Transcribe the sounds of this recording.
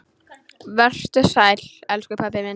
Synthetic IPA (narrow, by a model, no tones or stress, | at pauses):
vɛr̥t̪ʏsaːjlɛlskʏpʰap̬ɪmɪn